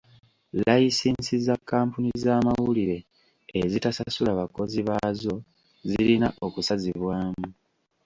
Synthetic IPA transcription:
lajisiːnsizakːaːmpunizaːmawuliɾe̞ː | zitasasulaβako̞ziβazo̞ | zilinaʔo̞kusaziβwaːmu

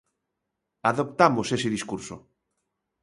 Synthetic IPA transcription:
aðop̚t̪amosesɪðiskuɾso̰

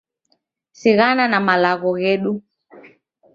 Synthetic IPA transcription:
siɣananamalaɣɔɣɛɗu

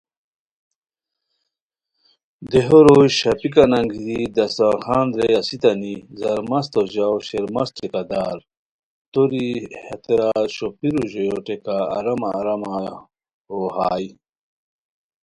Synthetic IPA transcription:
d̪eɦoɾoɕɐpikanɐŋɡd̪id̪ɐsaxaːnd̪ɾeɐsit̪ɐnizɐɾmɐst̪oʑawɕeɾmɐst͡ɕʰekad̪aːɾ | t̪oɾihɐt̪eɾaɕopiɾuʑojoʈeka̰ːɾɐmaːɾɐma | ohaːj

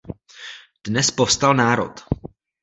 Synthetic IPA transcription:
d̥nɛspofst̪alnaːɾo̰t̪

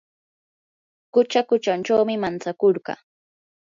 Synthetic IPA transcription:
kʊt͡ʃakʊt͡ʃant͡ʃawmɪmant͡sakoɾɢɑ̰

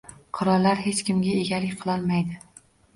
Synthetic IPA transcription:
qʰʊɾɒllːaɾɦe̞t͡ʃkʲɪmɡʲaeɡʲalɪkʲqʰɨlˠɒlˠmajd̪ɪ

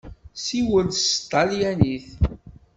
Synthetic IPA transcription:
siwəld̪st̪ˤːɑljæniθ

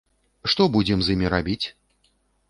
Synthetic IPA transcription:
ʂt̪ɔbud͡zʲɛmzʲjimʲiɾabʲit͡sʲ

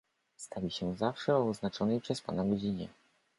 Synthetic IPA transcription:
st̪ʰavʲiɕɛzafʂɛɔɔznat͡ʂɔnɛjpʂɛspa̰naɡɔd͡ʑiɲɛ̰

